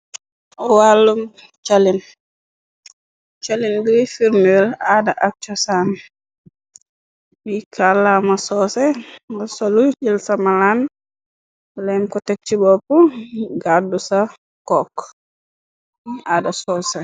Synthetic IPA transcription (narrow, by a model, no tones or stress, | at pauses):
ɔwalːum | t͡ʃalin | t͡ʃalinbiɾifiɾnɛlaːdaʔak̚t͡ʃɔsan | bikʰalamasɔːsɛmɐsolud͡ʒilsamalan | lɛmkɔtɛk̚t͡ʃibɔpuɡadusa | kɔk | adasɔːsɛ